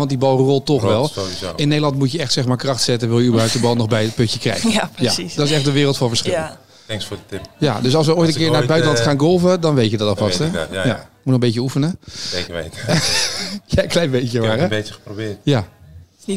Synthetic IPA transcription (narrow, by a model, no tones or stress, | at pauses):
ɑntdibɑlˠrɔlˠtːɔχʋɛlˠio̰ɪnːejdəlɑntmutjəɛχtsɛxmaːɹkrɑχtsɛtənʋɪlˠjəybəɹɦœwp̚tdəbɑlˠnɔχbɛjət̚pɵəkrɛ̰jxjadɔtɪsɛχtdəʋɪːrəlˠtfɑnˠvəɹsχɪlə | ɛŋksfʊːdətɪpjadøsɑlˠsʋəojtə̃nkɪəɹnaɹəbœɥtəlɑntχaːnɡɔlˠvədɑnʋejtədɑtɔvɑstɛjamutnɔχəmbej̬əufənəekəʋḛjt | jaklɛjnbejəʋaːɾəbeəəprobɪːtja